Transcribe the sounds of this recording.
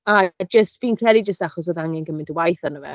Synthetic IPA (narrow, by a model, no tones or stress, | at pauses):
ad͡ʒəstv̥iːnkʰrɛlˠid͡ʒəstaχɔs̬voðaŋɛnɡəmɪ̃ntwajθanəvɛ̰